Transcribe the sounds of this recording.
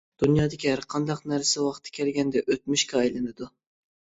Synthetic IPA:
d̪̥unjɑːd̪ɪkʲiæɾqʰɑnd̪ɑqnæɾsɛwɑqt̪ʰːɪ̥kʲʰɛlɡʲɛnd̪ɛʔøt̪̚myʃkʲɛɑjlˠɨnɨd̪u

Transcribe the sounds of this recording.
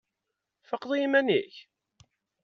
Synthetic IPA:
fəqːðˤjimænḭç

